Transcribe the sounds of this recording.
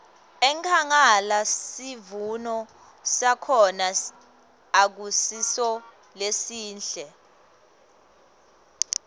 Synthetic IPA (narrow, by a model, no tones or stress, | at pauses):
ɛŋkʰaŋalasivunɔ | sakʰɔna | ak̬usisɔ | lesiːnɬɛ